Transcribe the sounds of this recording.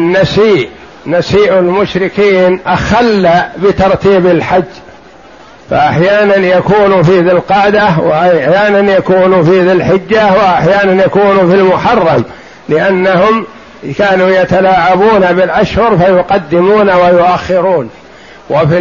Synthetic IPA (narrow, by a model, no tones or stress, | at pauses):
nːasiːʔ | nasiːʔalmʊʃɾɪkiːnʔaxalːabɪt̪ɑɾˤt̪iːbalħad͡ʒː | fa̰ʔaħjaːnanjakuːnufiːðɪlqɑːd̪awɪ̰ʔajaːnanjakuːnufiːðɪlħɪd͡ʒːawɪʔaħjaːnanjakuːnufilmʊħɑrˤːɑm | lɪʔanːahʊm | kaːnuːjat̪alaːʕabuːnabɪlʔaʃhʊɾfajʊqɑd̪ːɪmuːnawajʊʔaxːɪɾuːn | wafi